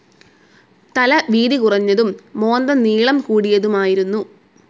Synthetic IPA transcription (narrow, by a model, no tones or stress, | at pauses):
t̪ɐlɐʋiːðikurɐɲːɐðumːo̞ːnd̪ɐniːɭɐmkuːɽijɐðumaːjiɾunːu